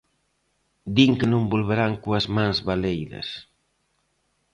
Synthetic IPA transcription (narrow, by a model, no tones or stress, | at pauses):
d̪iŋkɪnõmbolβeɾaŋkoɐzmãŋzβalejðɐ̰s